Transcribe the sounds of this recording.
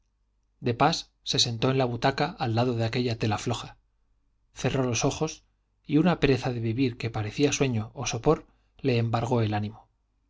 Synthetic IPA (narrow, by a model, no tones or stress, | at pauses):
d̪e̞pasːe̞se̞nt̪o̞enlaβut̪akaalːaðo̞ðeake̞ʎat̪e̞laflo̞xa | θe̞ro̞lo̞so̞xo̞s | iunape̞ɾe̞θaðe̞βiβiɾke̞paɾe̞θiaswe̞ɲo̞ːso̞po̞ɾ | le̞ːmbaɾɣ̞o̞e̞lanĩmo̞